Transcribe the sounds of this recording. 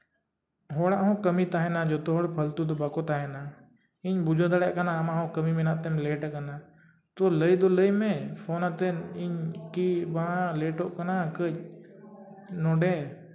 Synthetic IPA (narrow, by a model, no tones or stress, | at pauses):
ɦoːɽaɦõːkəmit̪aːɦenaːd͡ʒoːt̪oɦoɽpʰəlt̪ud̪obakot̪aːɦenaː | iɲbʊd͡ʒod̪əɽeʔkənãmãɦõkəmimenat̪emleːʈəkəna | t̪oləid̪oləimẽpʰoːnat̪eniɲkibaãleːʈoːʔkənakə | nõːɖẽ